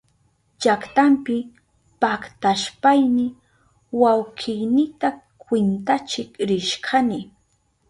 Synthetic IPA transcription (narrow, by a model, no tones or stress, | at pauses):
t͡ʃakt̪ampɪ | pakt̪aʃpajnɪ | wawqʰɪjnɪt̪a | kwɪnt̪at͡ʃɪkɾɪʃkʰanɪ